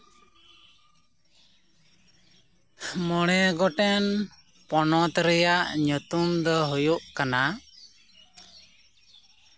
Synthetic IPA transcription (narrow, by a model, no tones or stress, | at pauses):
mɔɽ̃ɛɡɔʈɛn | pɔnɔt̪ɾɛjaʔɲɔt̪umd̪ɔɦujuʔkana